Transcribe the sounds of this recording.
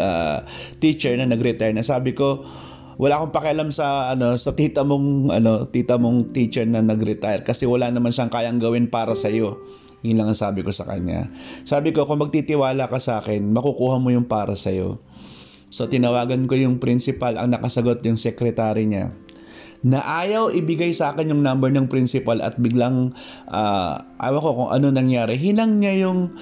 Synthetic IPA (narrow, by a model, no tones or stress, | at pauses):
ʔa̰ːt̪it͡ʃɛɹnɐnɐɡɾɛt̪ajnɐsaːbɪko̞ | wʔɐlaːkoŋpɐkɪʔɐlamsɐʔɐno̞sɐt̪iːt̪ɐmoŋʔɐ̰no̞t̪iːt̪ɐmoŋt̪iːt͡ʃɛɹnɐnɐɡɾɛt̪ajɾkɐsɛwɐlanɐmanʃɐŋkaːjɐŋɡɐwɪnpaːɾɐsɐjo̞ | jɪnlaŋɐŋsaːbɪko̞sɐ̰kɐ̰ɲa̰saːbɪko̞kʊŋmɐɡ̚t̪it̪ɪwaːlɐkɐsɐʔaːkɛnmɐkʊkuːhɐmo̞jʊŋpaːɾɐsɐjo̞̰ | so̞t̪ɪnɐwaːɡɐnko̞jʊŋpɾɪnsɪpalɐ̰ŋnɐkɐsɐɡo̞t̪̚jʊŋsɛkɾɛt̪aːɾɪɲa̰ | nɐʔaːjɐwʔɪbɪɡajsɐʔaːkɛnjʊŋnambɛɹnɐŋpɾɪnsɪpalɐ̰t̪̚bɪɡlaŋ | ʔa̰ːʔa̰ːwɐko̞kʊŋʔɐ̰no̞nɐŋjaːɾɛɦɪnɐŋɲajʊŋ